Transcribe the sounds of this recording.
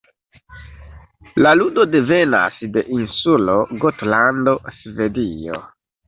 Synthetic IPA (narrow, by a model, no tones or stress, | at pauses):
laludo̞de̞ve̞na̰sde̞ʔinsulo̞ɡotlando̞sve̞dio̰